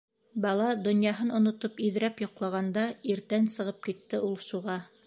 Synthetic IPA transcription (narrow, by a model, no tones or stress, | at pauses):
bɑlˠɑd̪ŏnjɑɦɤnŏnŏt̪opiðɾæpjŏqlˠɑʁɑnd̪ɑiɾt̪ænsɤ̆ʁɤp̚kit̪ːɘulˠʃuʁɑ